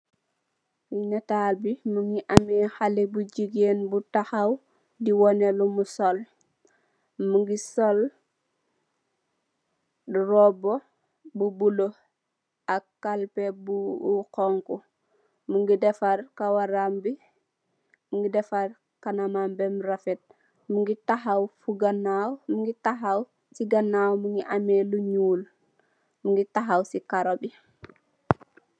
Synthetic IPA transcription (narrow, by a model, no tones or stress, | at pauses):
winetalbimuŋɡiʔamixalibuɟiɡeːnbutaxaw | diwonelumusol | muŋɡisol | dɾobo | bubulo | akːalpebukɔŋku | muŋɡidɛfaɾkawaɾambi | muŋɡidɛfaɾ | kanamambɛmɾafɛt̚ | muŋɡitaɦawfuɡanawmuŋɡitaɦaw | siɡanawmuŋɡiʔamɛluɲuːl | muŋɡitaɦawsikaɾɔbi